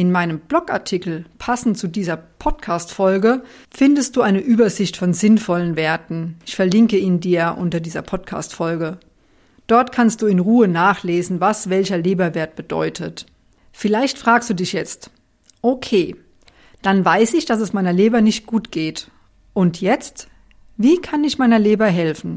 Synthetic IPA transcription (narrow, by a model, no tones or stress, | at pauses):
ɪnmaɪnəmblɔkʔa̰ɐtʰɪkl̩pʰasn̩tt͡sudiːzɐpʰɔtkʰaːstfɔlɡə | fɪndəstd̥uːʔaɪnəʔyːbɐzɪçtfɔnzɪnfɔlənveːɐtn̩ʔɪçfɛɐlɪŋkəiːndiːɐʔʊntɐdiːzɐ̰pʰɔtkʰa̰ːstfɔlɡə | d̥ɔɐtkʰanst̚d̥uːɪnʁuːənaːχleːzn̩vasv̥ɛlçɐleːbɐveːɐt̚b̥əd̥ɔ̰ʏtʰət | fɪlaɪçtfʁ̥aːkstd̥uːdɪçjɛt͡st | ʔokʰeː | d̥anvaɪsɪçd̥as̬ɛsmaɪnɐleːbɐnɪçt̚ɡ̥uːtɡ̥eːt | ʔʊntʰjɛt͡st | viːkʰanɪçmaɪnɐleːbɐɦɛlfn̩